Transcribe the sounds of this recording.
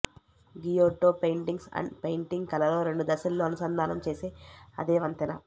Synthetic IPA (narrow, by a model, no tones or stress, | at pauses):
ɡijoːʈoːpejɳʈiŋɡsɐ̰ɳɖpejɳʈiŋɡ̚kɐlɐlo̞ːɾe̞ɳɖud̪ɐsɐlːoːɐnusɐnd̪ʱaːnɐmt͡ʃe̞ːseːɐ̰d̪eːʋɐnt̪inɐ̰